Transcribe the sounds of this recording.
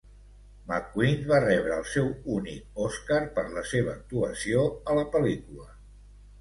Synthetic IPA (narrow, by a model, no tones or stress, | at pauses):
makwinβarɛβ̞ɾəːlˠsɛwunik̚ɔskaɾpəɾləseβəːk̚t̪uəsioələpəlikulə